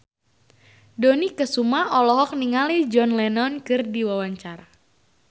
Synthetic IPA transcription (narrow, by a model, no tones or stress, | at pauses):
donikəsumaɔlɔɦɔk̚niŋalid͡ʒɔnlɛnɔnkɨrdiwawaɲt͡ʃaɾa